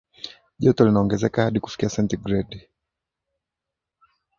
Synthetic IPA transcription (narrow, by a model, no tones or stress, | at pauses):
ʄɔtɔlinaɔŋɡɛzɛkahaɗiku̥fi̥kiasɛntiɡɾɛd